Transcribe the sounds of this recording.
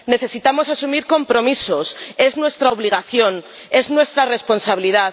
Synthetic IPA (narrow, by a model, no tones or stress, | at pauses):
ne̞θe̞sit̪amo̞sasumiɾko̞mpɾo̞miso̞se̞znwe̞st̪ɾaoβ̞liɣ̞aθjo̞n | e̞znwe̞st̪ɾare̞spo̞nsaβiliða